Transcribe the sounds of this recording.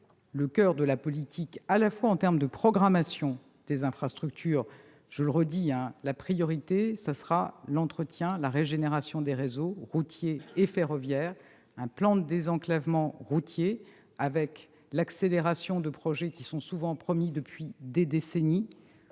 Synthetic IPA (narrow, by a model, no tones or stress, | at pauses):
ləkʲœʁd̪əlapɔlit̪ʰikalafwaɑ̃t̪ɛʁmd̪əpχɔɡʁamasjɔ̃ | d̪̥ezɛ̃fχast̪χyk̚t̪ʰyːʁ | ʒ̥ələʁəd̪iɛ̃lapχijɔʁit̪esasʁalɑ̃t̪χət̪jɛ̃laʁeʒeneʁasjɔ̃d̪eʁezoʁut̪jeːfeʁɔvjɛːʁ | ɛ̃plɑ̃d̪əd̪ezɑ̃klavmɑ̃ʁut̪je | avɛk | lakseleʁasjɔ̃d̪əpχɔʒɛkʲisɔ̃suvɑ̃pχɔmid̪əpɥid̪ed̪eseni